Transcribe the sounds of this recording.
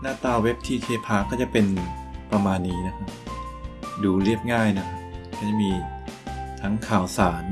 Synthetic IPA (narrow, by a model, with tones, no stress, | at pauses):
naː˧˥˩t̪aː˧˩we˦˥p̚t̪ʰiː˥˩t̪ʰeː˧˩pʰaː˧˥˩kʰaː˥˩wt͡ɕa˨˩pe˧n | pɾa˧maː˧nːiː˦˥na˦˥kʰa˦˥p̚ | duː˧ɾi˥˩əp̚ŋaː˥˩jna˦˥kʰa˦˥p̚kʰa˥˩t͡ɕa˨˩miː˧ | t̪ʰa˦˥ŋkʰaː˩˦wsaː˩˦n